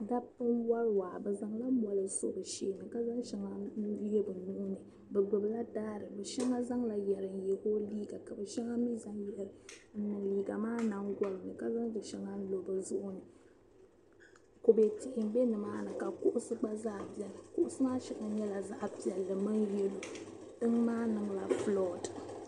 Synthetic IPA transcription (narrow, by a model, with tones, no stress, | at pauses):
da˦pːɨ˦nwa˦ɾwa˨bɨ˨za˨ŋla˦bɔ˨lɨ˨sʊ̰˦bɨ˨ʃeː˦˨nɨ˨ka˦za˦ŋʃɛ˦ŋa˦jɛ˦bɨ˨nʊ˦ʔʊ˦nɨ˨ | bɛ˨ɡ͡bʊ˨bɨ˨la˦daː˦ɾɨ˨bɛ˨ʃɛ˦ŋa˦za˦ŋla˨jɛ˨ɾɨ˨n̩˨jɛ˨koː˦liː˦ɡa˨ka˨bɛ˨ʃɛ˦ŋa˦mi˦za˦ŋjɾɨ˨n̩˦nɨ˨ŋliː˦ɡa˨maː˦na˦ŋɡɔ˦lɨ˨nɨ˨ka˦za˦ŋbɨ˨ʃɛ˦ŋa˦n̩˦lo˨bɨ˨zʊ˦ʔʊ˦nɨ˨ | ko˨bɛ˨tɪ˨ʔɪ˨m̩˦bɛ˦nɨ˨maː˦nɨ˨ka˨kʊ˦ʔʊ˦sɨ˦ɡ͡ba˦zaː˦˨bi˦ɛ˨lɨ˨kʊ˦ʔʊ˦sɨ˦maː˦ʃɛ˦ka˨ɲɛ˦la˨za˦ʔpi˨ɛ˨lːɨ˨mɨ˦n˦jɛ˦lu˦ | dɨ˦ŋmaː˦nɨ˨ŋla˨flɔ˦˨d